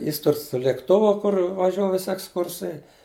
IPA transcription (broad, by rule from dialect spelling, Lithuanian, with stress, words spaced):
ˈjɪs ˈtʊr sʊ lʲeːkˈtʊʋʊ ˈkʊr ʋɐˈʒʲuɔ ˈʋʲɪsʲɪ ɛksˈkʊrsɐɪ